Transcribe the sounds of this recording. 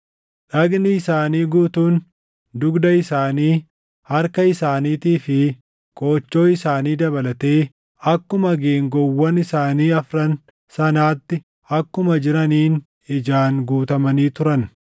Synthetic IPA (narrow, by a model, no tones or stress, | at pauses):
ᶑɐɡnɪɪsaːniːɡuːt̪uːn | d̪ʊɡd̪ɐɪsaːniː | hɐɾkɐɪsaːniːt̪iːfɪ | kʼo̞ːt͡ʃːo̞ːɪsaːniːd̪ɐbɐlɐt̪e̞ː | ɐkːʊmɐɡeːŋɡɔwːɐnɪsaːniːɐfɾɐn | sɐnaːt̪ːɪ | ɐkːʊmɐd͡ʒɪɾɐniːn | ɪd͡ʒaːnɡuːt̪ɐmɐniːt̪ʊɾɐn